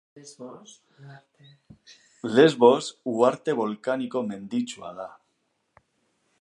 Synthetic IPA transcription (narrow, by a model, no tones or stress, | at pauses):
lezβosuaɾt̪e̞βolkanikomẽ̞nd̪it͡ʃwa̰ða